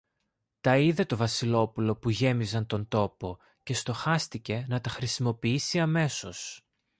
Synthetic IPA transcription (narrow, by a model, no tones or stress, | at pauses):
t̪ɐiðe̞t̪o̞vɐsilo̞pulo̞puʝe̞mizɐnt̪o̞nt̪o̞po̞ | ce̞st̪o̞xɐst̪ice̞nɐt̪ɐxɾisimo̞piisiɐme̞so̞s